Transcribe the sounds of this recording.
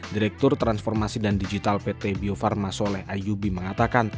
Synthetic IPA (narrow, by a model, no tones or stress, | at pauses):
diɾɛk̚t̪ʊrt̪ɾansfɔrmasidandid͡ʒit̪alpet̪ebiofarmasolɛhʔajubiməŋat̪akan